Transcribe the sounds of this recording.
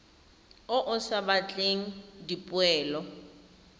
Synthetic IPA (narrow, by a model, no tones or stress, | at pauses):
ʊʔʊsabat͡ɬʼeŋ̩dipʼʊɛːlɔ